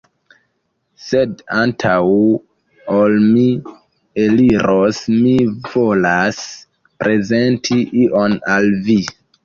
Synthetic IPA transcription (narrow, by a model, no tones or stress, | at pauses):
se̞dantʰaw | olmi | eliɾʔosmivo̞las | pɾe̞ze̞ntʰiʔiʔonalvi